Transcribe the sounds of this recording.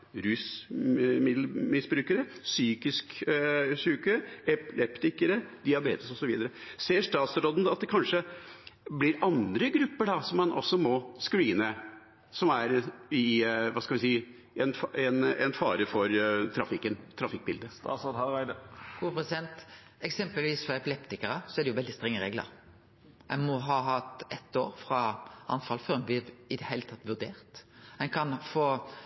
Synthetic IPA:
ɾʉːs | mɪd̪lmɪsbɾʉːkəɾəsyːkɪsk | syːkəɛpɪlʔɛpt̪ɪkəɾəd̪ɪɑbeːt̪əsɔsɔʋiːd̪əɾəseːʂt̪ɑːt̪sɾoːd̪n̩ɑt̪̚d̪ɛkʰɑnʂə | blɪɾɑnd̪ɾəɡɾʉpːəɖɑsɔmːɑnʔɔ̰sːɔmɔskɾiːnə | sɔmæɾɪʋɑːskɑlʋɪsiː | ʔɛnɛnɛnfɑːɾəfɔɾt̪ʰɾɑfɪkːənt̪ʰɾɑfɪk̚bɪld̪ə | ɡ̥uːəpʰʁɛsɪd̪ɛnt̪ | ɛksɛmpəlʋiːsfɔʁɛpɪlɛpt̪ɪkəɾəsɔɛɖɛjʊʋɛld̪ɪst̪ʁɛŋːəʁeːɡlə̰ɾ | æ̰ɪmɔɦɑːɦɑt̪ɛt̪ːo̰ːɾfɾɑɑ̰nfɑlføːʁəmbɪɪd̪ɛheɪlət̪ʰɑt̪ːʋʉʁd̪eːʁt̪ɛnkʰɑnfoː

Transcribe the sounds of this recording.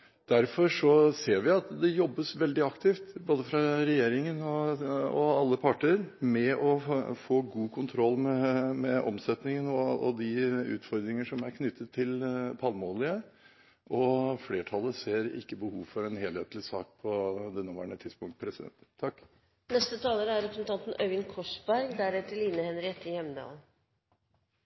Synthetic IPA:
d̪̥æɾfɔɾʂɔseːɾʋɪɑt̪d̪ɛjɔbːəsʋɛld̪ɪɑkt̪ʰɪːft̪boːd̪əfɾɑɾɛjeːɾɪŋənɔɔɑlːəpʰɑʈəɾmɛɔfoːɡuːkʰʊnt̪ʰɾɔlːmɛmɛʔɔ̰msɛt̪nɪŋənɔɔd̪ɪʉ̰ːt̪fɔɾd̪ɾɪŋəʂɔmæɾkʰnʏt̪ːət̪ʰːɪlpʰɑlmoːlɪə | ʔɔfleːʈʰɑlːəseːɾɪ̰kːəbəhuːʋfɔɾɛnheːlheːt̪lɪsɑːk̚pʰɔd̪ɛnːoːʋæ̰ːɳət̪ʰɪd̪spʊŋt̪pʰɾɛsɪd̪ɛ̰nt̪t̪ʰːɑkː | nɛst̪ət̪ʰɑːləɾəæɾɛpɾsənt̪ɑnt̪n̩œɪnkʰɔʂbæɾɡd̪æɾɛt̪ːəliːnəhɛnɾɪɛt̪ːɪjɛmd̪ɑ̰ːl

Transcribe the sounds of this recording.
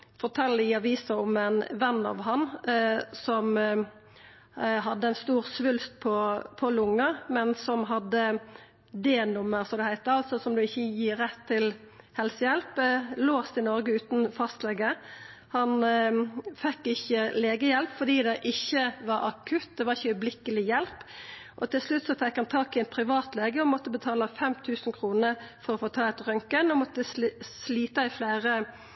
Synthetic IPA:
fɔʈ̪ʰɛlːəɪɑʋiːsɑɔmɛɪnʋɛnːɑ̰ːʋɦɑn | sɔm | ɦɑd̪ːəɪnst̪uːʁsʋʉlst̪̚pʰɔpʰɔlʊŋːəmɛnsɔmɦɑd̪ːə | d̪eːnʊmːəɾsɔmd̪ɛhæɪt̪əɾɑlt̪sɔsɔmd̪ʉɪçːəjiːɾːɛt̪ʰːɪl | hɛlsəjɛlploːst̪ɪnɔɾɡəʉːt̪n̩fɑst̪lɛɡə | hɑn | fɛkːɪçːəleːɡəjɛlpfɔd̪iːd̪ɛʔɪçːəʋɑɾɑkʰʉt̪̚d̪ɛʋɑʁɪçːəœʏblɪkəlɪjɛlpʔɔt̪ɪlslʉt̪ːsɔfɛkhɑnt̪ʰɑːkɪɛt̪̚pʰɾɪʋɑːt̪leːɡəɔmɔt̪ːəbət̪ʰɑːlɑfɛmt̪ʰʉːsn̩kʰɾuːnəfɔɾɔfoːt̪ʰɑːɛt̪ɾœŋkənɔmɔt̪ːəssliːt̪əɪfleːɾə

